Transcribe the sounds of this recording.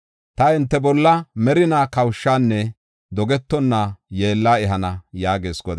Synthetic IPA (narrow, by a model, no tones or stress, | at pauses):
t̪ɐɪnt̪ːɛbɔlːɐmɛɾɪnaːkɐwʃːaːnːɛ | d̪ɔɡɛt̪ːɔnːaːjeːlːaːɛɦɐnɐjaːɡeːsɡɔd̪